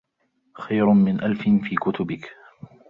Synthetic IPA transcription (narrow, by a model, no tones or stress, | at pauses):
xajɾʊmɪnʔalfɪnfiːkʊt̪ʊbɪk